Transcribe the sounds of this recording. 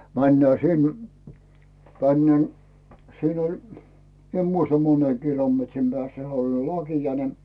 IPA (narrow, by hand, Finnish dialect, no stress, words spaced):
mænːæː sin tænːen siːn olʲ mi em muistɑ mone kilometrim b̥ĕæˑsːæ he olʲ lɑkiɑ ne